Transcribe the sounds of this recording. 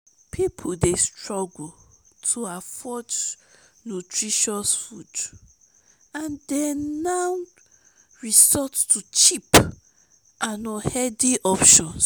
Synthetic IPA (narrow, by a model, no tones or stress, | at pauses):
pʰipʰudestɹɔɡul | tʰuafɔd͡ʒ | notʰɹiʃɔsfud | ãndɛnaw | ɹisɔttut͡ʃip | ãnɔ̃hɛdiʔɔpʃɔ̃ns